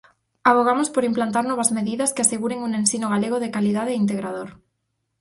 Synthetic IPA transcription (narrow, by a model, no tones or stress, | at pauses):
aβoɣ̞amospoɾimplant̪aɾnɔβ̞azmeðiðaskeaseɣuɾeŋunensinoɣaleɣ̞oðekaliðaðeint̪̬eɣɾað̞oɾ